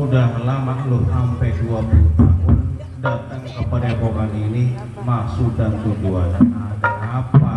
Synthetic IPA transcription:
mudaɦməlamaʔlʊt̪hampɛt̪uabut̪amʊn | dat̪aŋkəpadapokanini | masudant̪ud͡ʒuanadaʔapa

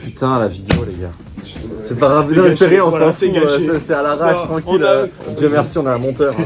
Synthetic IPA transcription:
pyt̪ɛ̃lavid̪eoleɡʲa̰ | sɛpaʁɛ̃bjɛɛ̃speʁeɔ̃sɑ̃fusɛsɛalaʁaʃt̪χɑ̃kʲilød̪jømɛʁsiɔ̃nɛɛ̃mɔ̃t̪œʁ

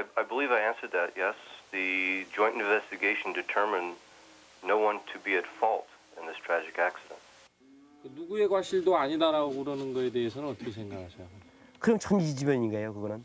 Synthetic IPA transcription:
aɪaɪbəlivaɪæ̃nsə˞d̪̚ðɨtjɛsðɨd͡ʒɔ̃ɪ̃ntɨ̃ɱvɛstɨɡeɪʃn̩dɨtʰɜ˞mɨ̃nː | oʊwʌ̃ntʰɨbiɨtfɔlˠt | ɨ̃nðɪstʰɹ̥æd͡ʒɨkæksɨɾə̰̃nt̚ | kenuɡue̞ɡwaɕ͈ʰiɭdoaɲidaɾaoɡoɾʌnɯnɡʌe̞de̞esʰʌnɯnʌt͈ʌkʰesʰeŋɡakʰaɕʰʌjo | kɯɾʌmt͡ɕʰʌnid͡ʑimjʌɲiɲiŋɡajokɯɡʌnɯn

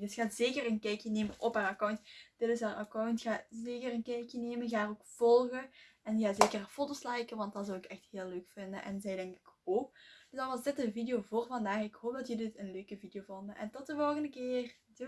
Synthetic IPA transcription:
dɵsxaːtz̥eːkərənkɛjkjəneːmənʔɔpaːrakawntd̥ɪtɪsɦaːrʔakawntxaːzeːkərənkɛjkjəneːmənɣaːəroːkv̥ɔlˠɣəɛnɣaːzeːkərfoːtoslajkəʋɑnt̚dɑnzɔwɪkɛxtɦeːlːøːkfɪndənʔɛ̰nzɛjdɛŋkɪ̥koːkd̥zdɑnʋɑzdɪtənvidejoːvoːrvɑndaːxɪkɦoːp̚dɑtjədɪtənløːkəvidejoːvɔndəɛ̰ntɔt̚dəvɔlˠɣəndəkɪːr | t

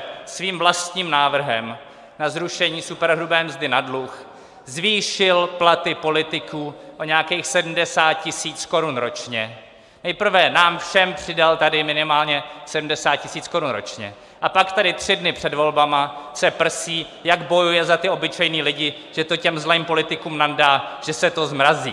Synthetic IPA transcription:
sviːmvlast̪ɲiːmnaːvr̩ɦɛm | nazɾuʃɛɲiːsupɛɾɦɾubɛːmzdɪnadlux | zviːʃɪlplat̪ɪpo̞lɪt̪ɪkuːʔoɲɛakeːxsɛdm̩dɛsaːt̪̚cɪsiːt͡sko̞ɾunɾo̞t͡ʃɲɛ | nɛjpr̩vɛnaːmfʃɛmpr̥ɪdalt̪adɪmɪnɪmaːlɲɛsɛdm̩dɛsaːt̪̚cɪsiːt͡sko̞ɾunɾo̰t͡ʃɲɛ̰ | ʔapakt̪adɪt̪r̝̥ɪdnɪpr̝̥ɛdvo̞lbamasɛpr̩siː | jaɡbo̞jujɛzat̪ɪʔo̞bɪt͡ʃɛjniːlɪɟɪ | ʒ̥ɛt̪o̞cɛmzlɛːmpo̞lɪt̪ɪkuːmnandaːʒ̥ɛsɛt̪o̞zmɾazḭː

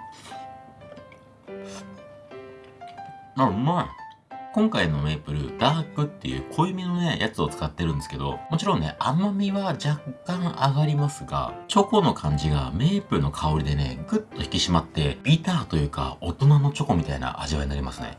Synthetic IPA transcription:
nama | kõ̞ŋkaino̞me̞ːpɯ̟ɾɯ̟̰d̪aːkɯ̟t̪ːe̞̰jɯ̟̰ːkʰo̞imʲino̞ne̞jat͡sɨo̞t͡sɨ̥kat̪ːe̞ɾɯ̟̃nd̪esɨ̥ke̞d̪o̞̰mo̞t͡ɕiɾõ̞ne̞̰ʔamamʲiβad͡ʑakːãɰ̃ʔaɡaɾʲimasɨɡa̰t͡ɕoko̞no̞kʰãɲ̟d͡ʑiɡa̰me̞ːpɯ̟ɾɯ̟no̞kʰao̞ɾʲid̪e̞ne̞̰ɡɯ̟t̪ːo̞çi̥kʲiɕimat̪ːe̞b̥ʲit̪aːt̪o̞jɯ̟ːka̰o̞t̪o̞nano̞t͡ɕo̞ko̞mʲit̪a̰ina̰ʔa̰ʑiβa̰iɲinaɾʲimasɨnḛ

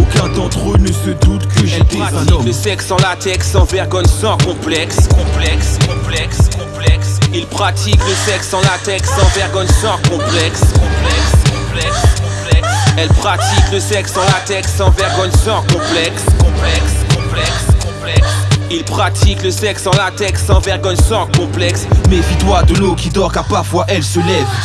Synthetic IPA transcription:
okɛ̃t̪ɑ̃t̪χonəsəd̪ut̪kəʒɛlpaikləsɛksɑ̃lat̪ɛksɑ̃vɛʁɡɔnsɑ̃kɔ̃plɛkskɔ̃plɛkskɔ̃plɛkskɔ̃plɛksilpχat̪ʰikləsɛksɑ̃lat̪ɛksɑ̃vɛʁɡɔnsɑ̃kɔ̃plɛkskɔ̃plɛkskɔ̃plɛkskɔ̃plɛksɛlpχat̪ikləsɛksɑ̃lat̪ɛksɑ̃vɛʁɡɔɲsɑ̃kɔ̃plɛkskɔ̃plɛkskɔ̃plɛkskɔ̃plɛksilpχat̪ʰikləsɛksɑ̃lat̪ɛksɑ̃vɛʁɡɔɲsɑ̃kɔ̃plɛksmɛfid̪wad̪əlokʲid̪ɔʁkapaʁfwaʔɛlsəlɛv

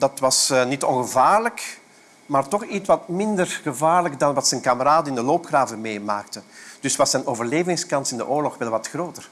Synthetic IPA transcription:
dɑtʋɑsnitɔnɣəvaːrlək | maːrtɔxitʋɑtmɪndərɣəvaːrləkdɑnʋɑtsɛnkaməɾaːdənɪndəloːpxraːvəmeːmaːk̚təd̥ʏsʋɑsənoːvərleːvɪŋskɑnsɪndə̰ʔoːrlɔxʋɛlˠʋɑtxroːtər

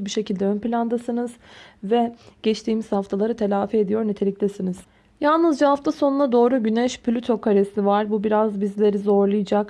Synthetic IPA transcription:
biʃe̞cilʲd̪ɛønpilʲand̪asɯnɯz̥vɛɟ̥ɛt͡ʃt̪ʰiːmiz̥haft̪ʰalˠaɾɯt̪ʰe̞lʲaːfied̪ijo̞ɾnet̪ʰelʲict̪ʰɛsiniz̥ | jalˠnɯzd͡ʒaɦaft̪ʰaso̞nunad̪o̞ːɾuɟynɛʃpʰlʲyt̪ʰo̞kʰaɾesivaɾbubiɾazbizlʲe̞ɾizo̞ɾlˠɯjɯd͡ʒak

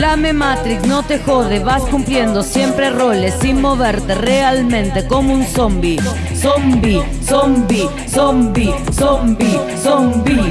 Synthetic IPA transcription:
lame̞mat̪ɾiksno̞t̪e̞xo̞ðeβaskumplje̞nd̪osje̞mpɾe̞ro̞lesːinmo̞βeɾt̪erealmẽ̞nt̪e̞ko̞mounsombi | sombi | sombi | sombisombi | sombi

